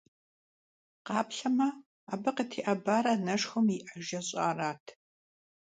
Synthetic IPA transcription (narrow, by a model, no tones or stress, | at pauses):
qɑːpɬɐmɐ | aːbɐqɐtʰiːʔɐbaːɾɐnɐʂxɐmiʔɐʒɐɕʼaːraːtʰ